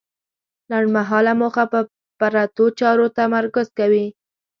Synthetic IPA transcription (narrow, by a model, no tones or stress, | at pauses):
laɳɖmaɦɑlamoxapə | paɾat̪ot͡ʃɑɾot̪amaɾkʊzkawi